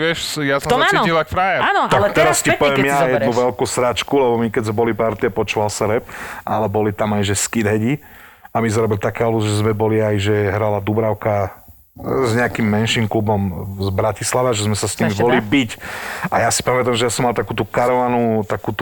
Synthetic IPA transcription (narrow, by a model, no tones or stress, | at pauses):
ʋɪɛʃjasɔmanilakfɾajɛɾanɔt̪alt̪ɛɾascipɔʋɛmjajɛd̪nuʋɛlkuːsɾat͡ʃkulɛbɔmikɛɟzmɛbɔlipaɾt̪iapɔt͡ʃuʋalsaɾɛp̚ʔa̰lɛbɔlit̪amajʒɛskid̪ɦɛɟi | amiz̬aɾɔbilit̪akɛɦɔluzʒɛzmɛbɔliajʒɛɦɾalad̪ubɾaʊka | zɲɛakimːɛnʃimklubɔmzbɾacislaʋaʒɛzmɛsasɲimibɔlibicajasi̥pamɛt̪amʒɛjasɔmːalˠt̪akuːt̪ukaɾɔʋanut̪akuːt̪